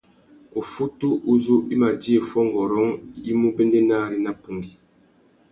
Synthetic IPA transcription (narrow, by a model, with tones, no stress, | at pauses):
o˨fu˦tu˦ʔu˦zu˦ʔi˦ma˨di˦e˨fwɔ˦ŋ˨ɡɔ˨ɾɔ˨˦ŋi˦mu˦be˦nde˦naː˦˨ɾi˦na˦pu˨ŋɡi˨